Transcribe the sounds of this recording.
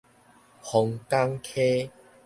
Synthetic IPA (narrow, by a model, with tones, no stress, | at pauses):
hɔ˨˧ŋt̪a˦ŋkʰe˦